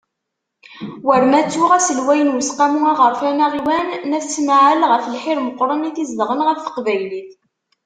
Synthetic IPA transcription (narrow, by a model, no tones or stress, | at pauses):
wəɾmæt͡sːuʁæsəlwæjənwəsqæmuæʁəɾfænæʁiwænːæθsmaʕəlʁəfəlħiɾməqːɾˤəniθizləʁənʁæθθə̥qvæjliθ